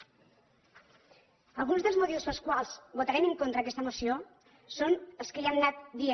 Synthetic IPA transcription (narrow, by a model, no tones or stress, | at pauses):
əlˠɣunzðəlˠzmut̪iwspəskwalˠsβut̪aɾɛməŋkont̪ɾəːkɛst̪əmusio | sonəlˠskəʎiannat̪̚d̪ie